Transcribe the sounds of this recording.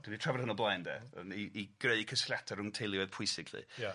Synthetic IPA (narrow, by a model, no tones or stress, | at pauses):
d̥unitʰravərhənɔblˠajndɛ̰ə̰niʔiɡ̥reɨkʰəsljatʰaɾʊŋtʰɪlˠjwɛð̥pʰʊjsɪɡʰlḭ